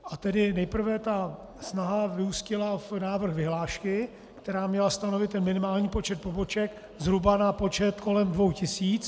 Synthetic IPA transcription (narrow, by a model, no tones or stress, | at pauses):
ʔat̪ɛdɪnɛjpr̩vɛt̪a | snaɦavɪuscɪlafnaːvr̩xvɪɦlaːʃkɪ | kt̪ɛɾaːmɲɛlast̪ano̞vɪt̪ːɛnmɪnɪmaːlɲiːpot͡ʃɛt̪̚po̞bo̞t͡ʃɛk | zɦɾubanapo̞t͡ʃɛt̪ko̞lɛmdvo̞wcɪsiːt͡s